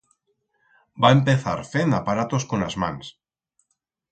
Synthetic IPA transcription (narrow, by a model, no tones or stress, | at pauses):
baempeθa̰ɾfend̪apaɾat̪oskonazmã̰ns